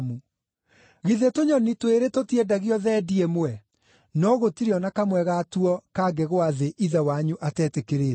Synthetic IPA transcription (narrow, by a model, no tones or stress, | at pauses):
mu | ɣiðetoɲɔnitweɾetotiɛdaɣiɔðɛːdiemwɛ | nɔɣotiɾeɔnakamwɛɣatuɔkaɡɛɣwaðeʔiðawaɲuʔatɛːtekeɾeːɾ